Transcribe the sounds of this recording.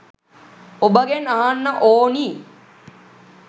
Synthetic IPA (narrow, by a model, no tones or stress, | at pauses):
obəɡenɐɦɐnːəʔoːniː